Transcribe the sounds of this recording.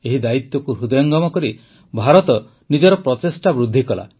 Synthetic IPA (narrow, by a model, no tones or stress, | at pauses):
eɦid̪ait̪jɔkuɾud̪ɔjɔŋɡɔmɔkɔɾi | bʱaɾɔt̪ɔ | nid͡ʒɔɾɔpɾɔt̪esʈabɾud̪ʱːikɔla̰